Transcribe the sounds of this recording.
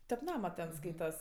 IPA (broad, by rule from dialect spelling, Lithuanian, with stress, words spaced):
tʲɛp ˈnɑːmɐ tʲɛn ˈskɐɪtɐs